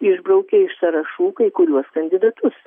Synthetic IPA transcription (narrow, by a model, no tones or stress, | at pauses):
ɪʒbɾɐʊkʲɛɪʃsɐɾɐʃuːkɐɪkʊɾʲuɔskɐnʲd̪ʲɪd̪ɐt̪ʊs